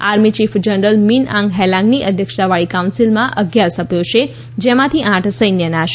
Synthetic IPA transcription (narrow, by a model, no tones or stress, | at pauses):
aɾmit͡ʃifd͡ʒənɾəlminã̰ŋɡɦɛlãŋɡniʔəd̪ʱjəkʃaʋaɭikawunsilmãʔəɡjaɾsəbʱjõt͡ʃʰe | d͡ʒemãt̪ʰiʔãʈʰsəjnjənaʃ